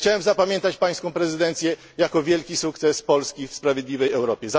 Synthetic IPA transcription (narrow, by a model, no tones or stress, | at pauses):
t͡ɕawɛmzapamʲjɛnt̪at͡ɕpaj̃skɔ̃w̃pɾɛzɘd̪ɛnt̪sʲjɛ | jakɔvʲjɛlkʲisukt̪sɛspɔlskʲifspɾavʲjɛd̪lʲivɛjɛwɾɔpʲjɛza